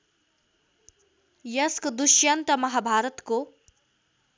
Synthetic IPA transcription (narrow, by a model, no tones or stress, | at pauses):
jɐskd̪uʃjant̪ɐmɐɦabʱaːɾət̪ko